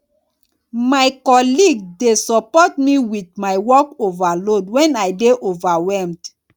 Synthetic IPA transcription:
majkɔliɡ̚desɔpɔtmiwit̚majwɔkovalodwɛ̃najdeʔovawɛlmd

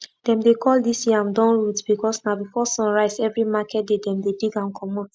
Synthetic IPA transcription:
d̥ɛ̃mdekʰɔldisjiãmdɔ̃nɹutb̥ikɔsnabifɔsɔ̃nɹaɪzɛvɹimakʰɛt̚dedɛ̃mdediɡãnkʰɔmɔ̃t

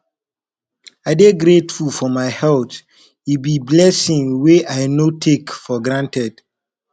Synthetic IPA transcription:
aɪdeɡɾetfulfɔmaɪhɛlt | ibiblɛsĩŋweʔaɪnotʰekfɔɡɹãntɛd̥

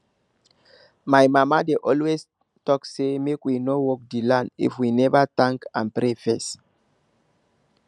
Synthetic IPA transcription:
majmamadeʔɔlwes | tɔksemekwinowɔk̚dilãndḭfwinɛvat̪ãŋkãnpɾefɛs

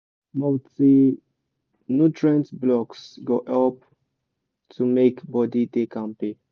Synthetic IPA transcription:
moti | nutɹɛ̃ntblɔksɡoʔɛlp̚ | tʰumekbɔdidekãmpe

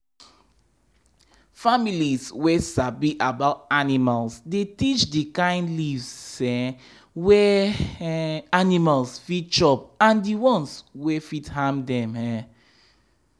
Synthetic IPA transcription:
familizwesabiʔabaʊtanimalsdetit͡ʃdikãɪ̃ndlivsɛ | wɛ | animalsfit̚t͡ʃɔpãndiwɔ̃nswɛfithãmdɛ̃mɛ

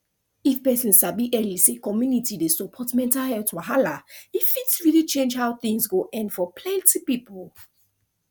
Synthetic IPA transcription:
ifpɛsɔ̃nsabiʔɛlisekɔmjunitidesɔpʰɔtmɛ̃ntahɛtwaɦalaifitsɹilit͡ʃẽnd͡ʒhaʊθĩŋzɡoʔɛ̃ndfɔpʰlɛ̃ntipipəl

